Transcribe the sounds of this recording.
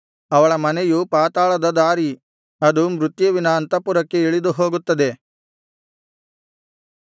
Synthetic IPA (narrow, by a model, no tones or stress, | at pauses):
ɐʋɐɭɐmɐnejupaːt̪aːɭɐd̪ɐd̪aːɾi | ɐd̪umɾut̪jɐʋinaːnt̪ɐpuɾɐkːeiɭid̪uɦoːɡut̪ːɐd̪e̞